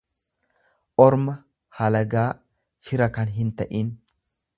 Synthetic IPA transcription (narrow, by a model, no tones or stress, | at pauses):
ʔɔɾmɐ | hɐlɐɡaː | fɪɾɐkɐnɦɪnt̪ɐʔin